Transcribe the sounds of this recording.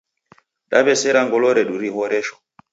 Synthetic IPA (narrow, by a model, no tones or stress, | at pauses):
ɗa̰bɛsɛɾaŋɡɔlɔɾɛɗuɾihɔɾɛʃɔ̥